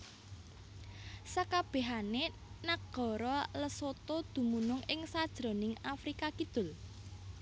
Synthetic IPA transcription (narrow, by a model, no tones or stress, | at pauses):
sakab̥e̤ɦane | naɡɡ̥ɔ̤ɾɔləsot̪od̪̥ṳmunʊŋɪŋsad̥ʒ̥ɾo̤nɪŋafɾikakid̪̥ʊ̤l